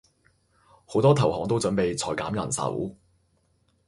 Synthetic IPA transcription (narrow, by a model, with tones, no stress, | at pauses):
ho˨˥wt̪ɔː˥t̪ʰɐ˨˩whɔː˨˥ŋt̪o˥wt͡sɵ˨˥npe˨˧jt͡sʰɔː˨˩jkaː˨˥mjɐ̰˨˩nsɐ̰˨˥w